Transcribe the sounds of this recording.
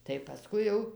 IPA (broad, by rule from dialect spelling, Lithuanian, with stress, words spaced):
tɐɪ pɐˈskʊɪ jɛʊ